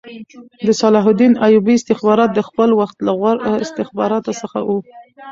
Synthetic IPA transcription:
d̪əsɑlɑɦʊd̪inajubiɪst̪ɪxbɑɾɑt̪̚d̪əxpəlwaxt̪laɣaɾɪst̪ɪxbɑɾɑt̪osəxa̰wu

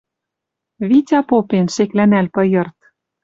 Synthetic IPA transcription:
βitʲɑpopenʃeklænælpɤ̆jɤ̆rt̪

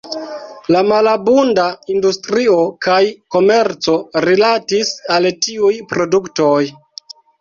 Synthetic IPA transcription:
lamalabundaindustɾio̞kajko̞me̞ɾt͡so̞ɾilatisaltiujpɾo̞dukto̞j

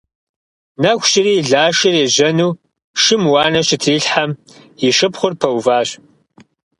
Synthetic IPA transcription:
nɐkʷʰɕɪriːɮaːʃɪreːʑɐnuː | ʃɪmwɑːnɐɕɪtʰiːɬħamjɪʂɨpχʷʊrpʰɐwvaːɕ

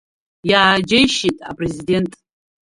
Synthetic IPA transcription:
jaːd͡ʒejʃitʼa̰pʼrezide̞ntʼ

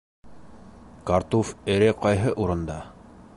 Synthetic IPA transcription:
kaɾt̪ofɘ̆ɾɘqɑjɦɤʔuɾɤ̆nd̪ɑ

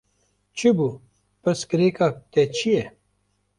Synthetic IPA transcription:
t͡ɕʰibu | pɐskɐɾekak̚t̪et͡ɕʰie

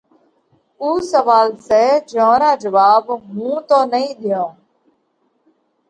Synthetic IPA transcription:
uːsəʋaːlsɛːd͡ʒõːɾaːd͡ʒəʋaːbmũːt̪oːnəĩːɗ̪ɪjãː

